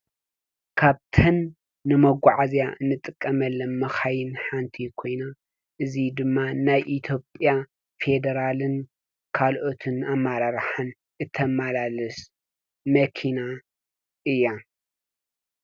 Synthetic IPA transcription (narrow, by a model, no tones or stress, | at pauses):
kʰaβt̪ʰɐnː | ɨmɐɡʷaʕazjaʔɨnːɨt̪ʼɨkʼːɐmɐlːɐnmɐxajɨnħant̪ʰikʰo̞jna | ʔɨzid̪ɨmːanajʔit̪ʰjo̞pʼja | fe̞d̪ɐɾalɨn | kʰalʔo̞t̪ʰɨnamːaɾaɾħan | ʔɨt̪ʰɐmalalɨs | mɐkʰina | ʔɨjːa